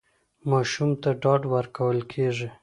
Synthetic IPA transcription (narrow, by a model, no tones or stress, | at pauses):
mɑʃumt̪aɖɑɖwəɾkawəlkʰeʐi